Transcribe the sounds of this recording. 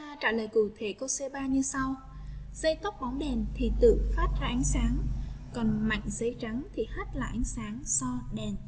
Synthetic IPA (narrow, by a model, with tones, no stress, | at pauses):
aː˧t͡ɕaː˧˩ləː˨˩jkṵ˧˨t̪ʰe˧˩ko˧sɛ˧ɓaː˧ɲɨ˧sa˧w | z̥ə˧jt̪o˦˥k͡p̚ɓɔ˨˦nɗe˨˩nt̪ʰi˨˩t̪ɨ̰˧˨faː˦˥t̚zaː˧ʔa˨˦jŋ̟saː˨˦ŋkɔ˨˩nma̰˧˨jŋ̟zə˨˧jt͡ɕa˨˦ŋt̪ʰi˨˩ha˦˥t̚la̰ː˨˩ʔa˨˦jŋ̟saː˨˦ŋsɔ˧ɗe˨˩n